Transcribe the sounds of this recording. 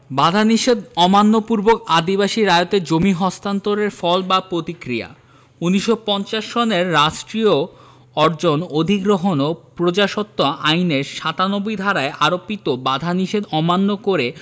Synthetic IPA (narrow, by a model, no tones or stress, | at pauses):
bad̪ʱaniʃed̪ɔmanːopuɾbokad̪ibaʃiɾaot̪ed͡ʑomiɦɔst̪ant̪oɾeɾfɔlbapɾot̪ikɾija̰ | uniʃopɔnt͡ɕaʃːɔneɾːaʃʈɾio | ɔɾd͡ʑonod̪ʱiɡɾoɦonopɾod͡ʑaʃɔt̪ːoʔajneɾʃat̪anobojd̪ʱaɾaeʔaɾopːit̪obad̪ʱaniʃed̪ɔmanːokoɾe